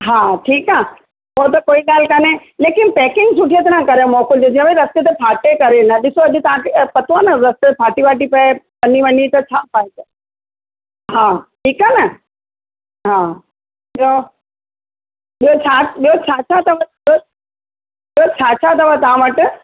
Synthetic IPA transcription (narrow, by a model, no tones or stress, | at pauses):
ɦaːʈʰiːkaː | ɦot̪̬ɐkoːiɠaːlkaneleːkɪnpɛːkɪŋɡsʊʈʰijet̪ɾ̃ãkɐɾeõmɔːkʊld͡ʑ̪od͡ʑĩẽʋeɾɐst̪et̪̬epʰaːʈekɐɾenɐɗɪsoɐʄɪt̪ɐʋãtepɐt̪oanɐɾɐst̪epʰaːʈiʋaːʈipɐepɐniʋɐnit̪ɐt͡ɕʰaːpʰaːise | ɦaːʈʰiːkaːnɐ | ɦãː | ɓio | ɓiɦot͡ɕʰaːɓiot͡ɕʰaːt͡ɕʰat̪ɐʋɐ | o | ɓijot͡ɕʰaːt͡ɕʰat̪̬ɐʋət̪ɐɦãʋɐʈ